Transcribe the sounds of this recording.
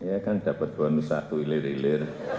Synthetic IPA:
ijakand̥a̤pat̪̚d̪̥uwanusa̰t̪uilɪɾilɪr

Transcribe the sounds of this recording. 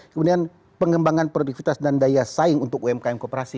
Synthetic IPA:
kəmudian | pəŋɡəmbaŋanpɾdifit̪asdandajasaɪŋunt̪ʊk̚uɛmkaɛmkopəɾasi

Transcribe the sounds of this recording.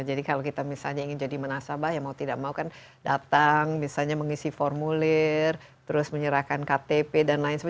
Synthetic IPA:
ad͡ʒadikalokit̪amisalɲaiŋɪnd͡ʒadimənasabajaŋmaut̪idaʔ̚maukan | dat̪aŋmisalɲaməŋisifɔrmulɪr | t̪əɾʊsməɲəɾahkankat̪epedanlaɪnsəb

